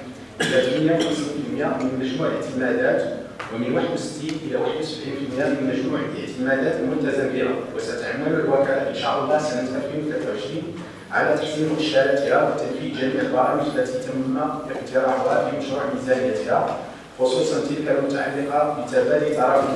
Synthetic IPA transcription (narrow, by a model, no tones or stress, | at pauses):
d̪æt̪fəmjæxənslfəlmjæmənmæʒmuʕʔəʕt̪əmæd̪æt̪ | wəmənwaħəd̪wsə̥t̪ːinʔəlːæwaħəd̪wsəbʕinfəlmjæmənmæʒmuʕəʕt̪əmæd̪æt̪lmʊt̪æzəmbihæ̰wəsæt̪ħamːələlwækælafəʃɑ̰ʔəlːɑsænət̪ʔælfinwt̪læt̪awəʃɾin | ʕa̰læt̪aħsimʔʃæɾæt̪əhæwət̪ːənfid̪ʒæmiːʕlbɑɾˤɑmət̪lːæt̪ijt̪əmːaʔəqt̪əɾˤɑbæfiməʃɾuʕmizænəjæt̪hæ | xosˤusˤɑnt̪ilkælmʊt̪aʕalːəqɑbət̪æbælit̪ɑɾˤɑf